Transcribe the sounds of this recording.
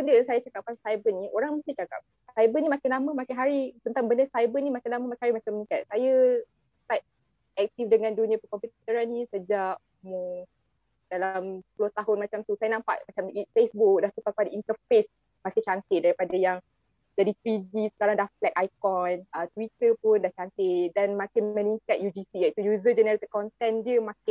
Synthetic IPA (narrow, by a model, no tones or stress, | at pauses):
bəndəjaŋsajat͡ʃakap̚kansajbəniʔoɾaŋməsat͡ʃaka̰p̚ | sajbənimakɪnlamə̃makɪnɦaɾit̪ənt̪aŋbəndəsajbənimakɪnlaməmakɪnɦaɾimakamənikat̪̚sajə | ət̪at̪̚ | ɛk̚t̪ifdəŋãndunĩapəkɔmpit̪əɾanːĩsəd͡ʒaʔ | muŋ | d̥alampulot̪aɦʊnmat͡ʃamt̪usajanãmpa̰ʔmat͡ʃamifesbuk̚dahsukaŋkəpadaint̪əfes | makɪt͡ʃant̪ɪʔ̚daɾipadajaŋ | d͡ʒadip̪id͡ʒisə̥kaɾaŋdahflɛk̚ajkɔnət̪wit̪əpʊndaht͡ʃant̪ɪʔdɛnmakɪməniŋkat̪̚jud͡ʒisiait̪ujuzəd͡ʒənəɾit̪əkɔnt̪ɛndiəmakɪ